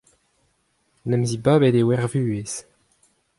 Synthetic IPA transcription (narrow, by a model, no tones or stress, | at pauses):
nɛmzibabed̪ewɛʁvyːes